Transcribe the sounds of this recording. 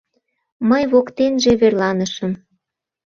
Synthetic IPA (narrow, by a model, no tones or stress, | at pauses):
məjβokt̪enʒeβerlɑnəʃə̆m